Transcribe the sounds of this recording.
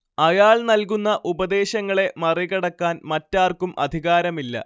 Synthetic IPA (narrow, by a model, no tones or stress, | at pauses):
ɐjaːɭnɐlk̬unːɐʔubɐd̪e̞ːɕɐŋːɐɭe̞mɐriɣɐɽɐkːaːnmɐtːaːrkumɐ̰d̪ʱiɣaːɾɐmilːɐ̰